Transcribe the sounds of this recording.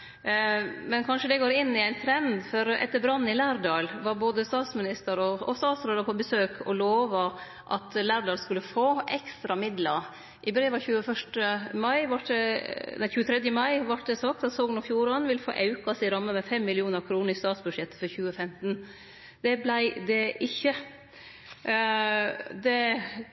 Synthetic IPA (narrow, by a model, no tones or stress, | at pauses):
mɛnkʰɑnʂəd̪ɛɡoːɾɪnːɪæɪnt̪ʰɾɛnd̪fɔɾɛ̰t̪ːəɾbɾɑnːɪlæːɾɖɑːlʋɑɾboːd̪əst̪ɑːt̪smɪnɪst̪əɾɔɔst̪ɑːt̪sɾeːd̪əɾpʰɔbəsøːkʰɔloːʋɑ | ʔɑ̰t̪læːɾɖɑːlskʉlːəfoːʔɛkst̪ɾɑmɪd̪lɑ | ʔɪbɾeːʋɑçʉːəfœʂʈəmɑɪʋɑʈ̚d̪ɛnæɪçʉːət̪ʰɾɛd̪jəmɑɪʋɑʈ̚d̪ɛsɑk̚t̪ɑt̪soːɡənɔfjuːɾɑnʋɪlfo̰ːʔɑʉkɑsɪɾɑmːəmɛfɛmːɪlɪuːnəɾkʰɾuːnəɾɪst̪ɑːt̪sbʉʂɛt̪ːfɔɾçʉːəfɛmt̪n | d̪̥ɛblæɪd̪ɛʔɪçːə | d̪ɛ